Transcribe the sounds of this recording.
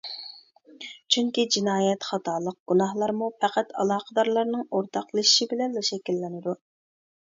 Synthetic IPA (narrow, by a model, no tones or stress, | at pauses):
t͡ʃʰyŋkʲid͡ʒinɑːjɛt̪χɑt̪ʰɑːlˠəq̚ɡ̥unɑhlˠɑɾmupʰæqæt̪ɑlˠɑːqəd̪ɑɾlˠɑɾnɨŋoɾt̪ʰɑqlˠɨʃiʃibɪlɛnlɑʃɛkʲilːɪnɪd̪u